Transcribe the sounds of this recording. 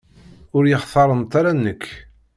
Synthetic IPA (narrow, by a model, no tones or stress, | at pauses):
ʊɾjəχθˤɑɾˤəmt̪ˤːɑɾanːəkː